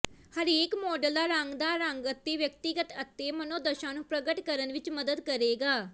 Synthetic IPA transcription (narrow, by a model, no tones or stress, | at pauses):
həɾeːkmɔːɖəld̪aːɾəŋɡd̪aːɾəŋɡət̪ːeːʋjək̚t̪ɪɡət̪ət̪ːeːmənõːd̪əʃãːnũːpɾəɡəʈkəɾənʋɪt͡ʃməd̪əd̪kəɾeːɡaː